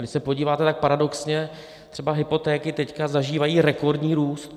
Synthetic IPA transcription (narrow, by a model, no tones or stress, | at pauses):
dɪʃsɛpoɟiːvaːt̪ɛt̪ak̚paɾado̞ksɲɛ | t̪r̥ɛbaɦɪpo̞t̪ɛːkɪt̪ɛckazaʒiːvajiːɾɛko̞ɾdɲiːɾuːst̪